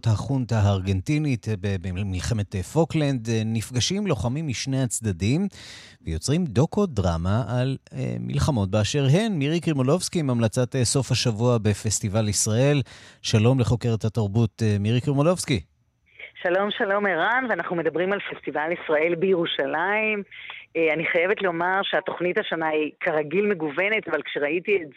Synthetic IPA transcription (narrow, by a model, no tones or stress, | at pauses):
thaχuntaːʁɡe̞ntinitbebemilχe̞metfoklend̪nifɡaʃimlo̞χamimːiʃnejat͡sdadim | vejo̞t͡sʁimdo̞ko̞dʁamaʔal̰mḭlχamo̞t̚beaʃe̞ʁɦe̞nmiʁikimolo̞vskimamlat͡sateso̞fhaʃavuabefe̞stivalisʁae̞lʃalo̞mle̞χo̞ke̞ʁethataʁbutemiʁikimolo̞vski | ʃalo̞mʃalo̞meʁanveanaχnume̞d̪ɐbʁimalfest̪ivalisʁaʔe̞lbejeʁuʃalaimeaniχajevetleo̞maʁʃeat̪o̞χnithaʃanaikʰaʁaɡilme̞ɡuvenetavalkʃeʁaʔitiet